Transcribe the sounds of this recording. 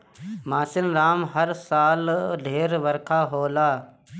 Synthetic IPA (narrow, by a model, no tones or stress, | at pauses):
maːsɪnɾaːmɦɐɾsaːld̪ʱeːɾʋɐɾkʰaːɦoːlaː